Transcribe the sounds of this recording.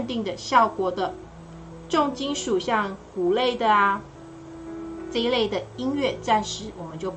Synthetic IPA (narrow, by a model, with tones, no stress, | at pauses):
nt̪i˥˩ŋd̪ə˩ɕjɑ˥˩ʊkwɔ˨˩d̪ə˧ | ʈ͡ʂʊ˥˧ŋt͡ɕi˥nʂu˨˩ɕjɑ˥˩ŋku˨˩le˥˩ɪd̪ə˩ | ʈ͡ʂə˥i˥le˥˩ɪd̪ə˩i˥nɥɛ˥˧ʈ͡ʂa˥˧nʂɻ̩˥wɔ˨˩mə˨˦nt͡ɕjo˥˩ʊ